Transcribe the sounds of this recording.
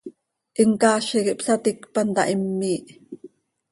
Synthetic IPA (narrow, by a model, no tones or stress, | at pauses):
ʔiŋkɑːʃikiʔpsɑt̪ikpɑnt̪ɑ̰ʔimːiːʔ